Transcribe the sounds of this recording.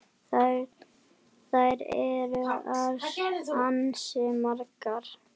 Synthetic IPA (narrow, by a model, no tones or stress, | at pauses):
θajɾɛɾʏaðansɛmaɾkaɾ̥